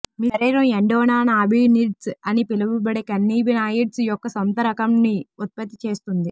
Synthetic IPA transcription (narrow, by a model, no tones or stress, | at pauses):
miːɐɾeːɾɐmeɳɖɔːnaːnaːbiːniːɖsɐnipilɐbubɐɽekɐnːiːbinaːjiʈsjɔkːɐsɐnt̪ɐɾɐkɐmniut̪̚pɐt̪ːit͡ʃe̞ːst̪und̪i